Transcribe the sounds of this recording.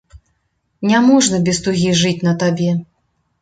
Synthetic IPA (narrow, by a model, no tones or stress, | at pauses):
nʲamɔʐnɐbʲɛst̪uɣʲiʐɨt͡sʲnɐt̪abʲɛ